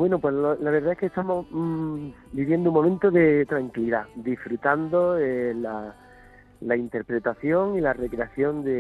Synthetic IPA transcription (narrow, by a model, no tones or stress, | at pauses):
bwe̞nopwe̞slolaβ̞e̞ɾðaehke̞st̪amo̞ | biβje̞nd̪ouŋmːomẽnt̪oðe̞t̪ɾaŋkiliðad̪ifɾut̪and̪oela | laint̪e̞ɾpɾe̞t̪aθjo̞ŋilare̞kɾe̞aθjo̞nd̪e